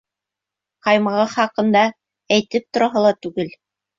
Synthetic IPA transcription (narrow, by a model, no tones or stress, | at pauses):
qɑjmɑʁɑχɑqɤ̆nd̪ɑ | æjt̪ɘp̚t̪ŏɾɑɦɤlˠɑt̪ʉɡɘl